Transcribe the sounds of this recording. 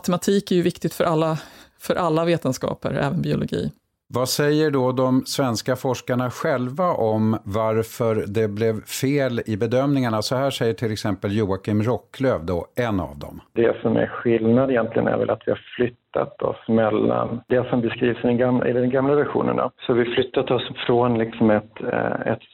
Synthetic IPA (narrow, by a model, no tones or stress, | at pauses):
t̪ɛmat̪ʰiːkæɾjɵvɪkt̪ɪɡt̪fœɾʔalːafœɾʔalːaveːt̪ənskɑ̰ːpə̰ɾɛ̰ːvənbɪʊlʊɡḭː | vasɛjːəɖɔd̪ɔmsvɛnskafɔʂkaɳaɧɛlvaʔɔmvaɾfœɾd̪ɛblɛvfeːlɪbɛd̪œmnɪŋaɳasɔhæːʂɛjːəʈʰɪlːɛksɛmpəljuːakʰɪmɾɔkːløːvd̪ɔɛnːa̰vd̪ɔ̰md̪ɛsɔmæ̰ɾɧɪlnad̪ɪjɛnt̪lɪɡə̰næ̰ɾvɛ̰la̰t̪vɪhaɾflʏt̪ʰːa̰t̪ɔ̰smɛlːa̰nd̪ɛsɔmbɛskɾiːvsɪd̪ɛɡamɪ̰d̪ɔmɡamlavæɾɧṵːnə̰ɳa̰sɔvɪflʏt̪ːat̪ɔsfɾɔnlɪksɔmɛt̪ɛ̰t̪